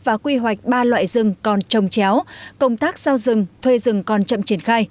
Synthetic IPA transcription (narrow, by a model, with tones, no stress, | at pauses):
vaː˨˩kwi˧ɦwa˨˩jk̟̚ɓaː˧lwa̰ː˧˨jzɨ˨˩ŋkɔ˨˩nt͡ɕə˨˩wŋ͡mt͡ɕɛ˨˦wkə˧wŋ͡mt̪aː˦˥k̚z̥aː˧wzɨ˨˩ŋt̪ʰwe˧zɨ˨˩ŋkɔ˨˩nt͡ɕə̰˧˨mt͡ɕi˧˩ənxaː˧j